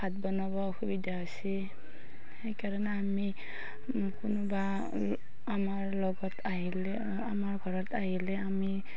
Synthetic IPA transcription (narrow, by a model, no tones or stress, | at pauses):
b̥ʱat̚bɔnabɔxubidaɦosi | hejkaɹɔnaːmi | kunɔbaː | maɹlɔɡɔtʰaɦile | amaɹɡʱɔɹɔtaɦilɛami